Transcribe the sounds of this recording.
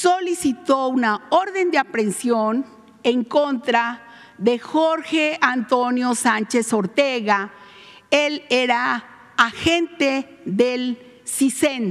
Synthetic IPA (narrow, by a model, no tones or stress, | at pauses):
solisit̪ounaoɾðend̪eapɾensjon | eŋkont̪ɾa | ðexoɾxeant̪onjosant͡ʃesoɾt̪eɣa | eleɾaː | xent̪e | ðel | sisen